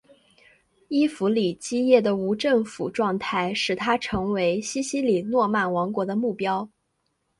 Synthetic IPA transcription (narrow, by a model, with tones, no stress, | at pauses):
i˥fu˧˥li˨˩t͡ɕi˥jɛ˥˩d̪ə˩u˧˥ʈ͡ʂɤ˥˩ŋfṵ˨˩ʈ͡ʂwɑ˥˧ŋt̪ʰa˥˩ɪʂɻ̩˨˩t̪ʰa˥ʈ͡ʂʰɤ˧˥ŋwe˧˥ɪɕi˥ɕi˥li˨˩nwɔ˥˧ma˥˩nwɑ˧˥ŋkwɔ˧˥d̪ə˧mu˥˩pjɑ˥ʊ